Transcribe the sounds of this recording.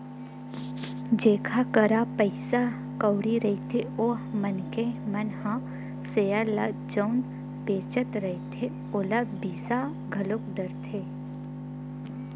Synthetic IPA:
d͡ʒeːkʰakəɾapəɪsa | kəwɽiɾɐit̪ʰeoːɦmənkemənhã | seːjəɾlad͡ʒəwn | peːt͡ʃət̪ɾɐit̪ʰe | oːlabiːsa | ɡʱɐlʊkɖəɾt̪ʰeː

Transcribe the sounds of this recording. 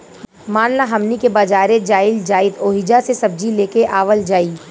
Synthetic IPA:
maːnlaɦɐmnikebaːd͡ʒaːɾed͡ʒaːɪld͡ʒaːɪt̪oːɦɪd͡ʒasesɐb̚d͡ʒileːkeʔaːʋəld͡ʒaːiː

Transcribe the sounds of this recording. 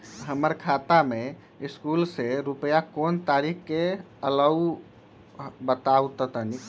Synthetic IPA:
ɦəməɾkʰat̪ame | iskulseɾupəjakont̪aɾikʰke | ələu | bət̪aut̪ət̪əni

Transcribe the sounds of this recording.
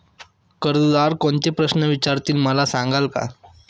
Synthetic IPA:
kəɾd̪d̪aɾkoɳt̪epɾəsnəʋit͡ɕaɾt̪iːlməlasãŋɡalka̰

